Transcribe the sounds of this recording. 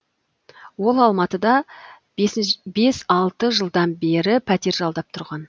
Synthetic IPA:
wo̞lˠɑlˠmɑt̪əd̪ɑ | be̞sɑlˠt̪əʒəlˠd̪ɑnbe̞ɾɪpʰæt̪e̞ɾʒɑlˠd̪ɑp̚t̪ʰʊɾʁɑn

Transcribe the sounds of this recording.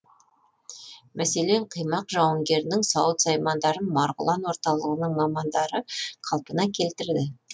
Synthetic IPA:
mæse̞le̞ɴqʰəjmɑqʒɑwəŋɡʲe̞ɾnɪŋsɑwət̪sɑjmɑnd̪ɑɾənmɑɾʁʊ̰lˠɑnwo̞ɾt̪ɑlˠəʁənəɴmɑmɑnd̪ɑɾəqʰɑlˠpənɑkʲʰe̞lt̪ɪɾd̪ɪ

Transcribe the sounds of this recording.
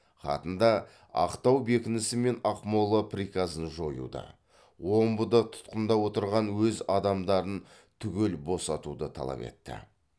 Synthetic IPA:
χɑ̰t̪ənd̪ɑ | ɑ̰qt̪ɑwbekʲɪnɪsɪme̞nɑqmolˠəpʰrikazənʒo̞jṵd̪ə̰ | wo̞mbəd̪ət̪ʰʊ̥t̪qənd̪ɑwo̞t̪əɾʁɑnwɵzɑd̪ɑmd̪ɑɾən | t̪ʰʏɡʲe̞lbo̞sɑt̪ud̪ət̪ʰɑ̰lˠɑ̰pe̞̰t̪ːɪ̰

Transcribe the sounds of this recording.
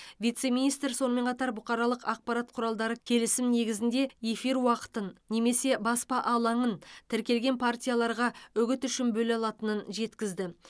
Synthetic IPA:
vijt̪se̞mʲinijst̪ɾso̞nəme̞ɴqʰɑt̪ɑɾbʊqɑɾɑlˠəqɑq̚pɑɾat̪̚qʰʊɾɑlˠd̪ɑɾəkʲʰe̞lɪsɪmne̞ɡʲɪzɪnd̪e̞efiɾwɑqə̥t̪ənːe̞me̞se̞bɑspɑʔɑlˠɑɴənt̪ʰɪɾkʲe̞lɡʲe̞npʰart̪ʲijalˠɑɾʁɑʏɡʲɪt̪ʏʃɪnbɵlɑlˠɑt̪ənənʒe̞t̪kʲɪzd̪ɪ

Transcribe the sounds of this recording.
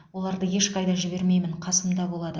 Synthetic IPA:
wo̞lˠɑɾd̪əje̞ʃqɑjd̪ɑʒɪbe̞ɾme̞jmɪɴqʰɑsəmd̪ɑbo̞lˠɑd̪ə

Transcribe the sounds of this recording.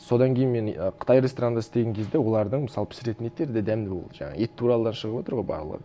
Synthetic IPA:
so̞d̪ɑŋkʲʰejɪnme̞nəqʰə̥t̪ɑjɾʲest̪oɾanɑɪst̪e̞ɡʲeŋkʲʰe̞zd̪e̞wo̞lˠɑɾd̪əɴmɪsɑlˠəpʰɪ̥sɾe̞t̪ɪnet̪ːe̞ɾɪd̪ed̪æmd̪ɪbo̞lˠəʒɑ̰ɴɑ̰e̞t̪ːʰuɾɑlˠəd̪ɑnʃəʁəpwo̞t̪əɾʁo̞jbɑ̰ɾlˠə̰ʁə

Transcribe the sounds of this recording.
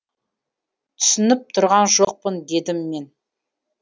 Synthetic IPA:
t̪ʰʏ̥sɪnɪp̚t̪ʰʊɾʁɑnʒoq̚pənd̪e̞d̪ɪmːe̞n

